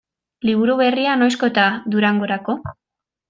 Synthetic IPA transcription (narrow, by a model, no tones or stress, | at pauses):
liβ̞uɾuβe̞riano̞jsko̞t̪aðuɾaŋɡo̞ɾako̞